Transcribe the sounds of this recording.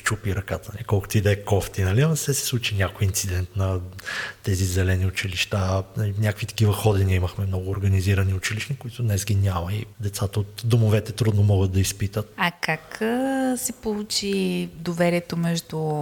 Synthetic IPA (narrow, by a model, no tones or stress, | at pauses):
t͡ʃupiɾɐkat̪ənɐ̰likɔlˠkʊ̥t̪ʊid̪ɛkɔft̪inɐliɐsɛsɛ̥slˠut͡ʃinʲjakʊjint̪sid̪ɛnt̪nɐt̪ɛzizɛlɛniʊt͡ʃiliʃt̪anɐlinʲakəkvit̪ɐ̥kivɐxɔd̪iniəiməxmɛmnɔɡʊːɾɡɐniziɾɐniʊt͡ʃiliʃnikʊit̪ʊd̪nɛsɡʲinʲamɐid̪ɛt̪sat̪əot̪d̪omovɛt̪ɛt̪ɾud̪nomɔɡət̪̚d̪ɐispit̪ət̪̚ɐkaksɛpolˠut͡ʃid̪ovɛɾiɛt̪omɛʒd̪ʊ